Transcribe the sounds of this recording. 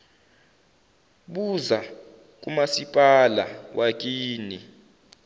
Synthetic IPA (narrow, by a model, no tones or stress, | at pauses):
ɓuza | k̬ʼumasipʼala̰wʔak̬ʼiːni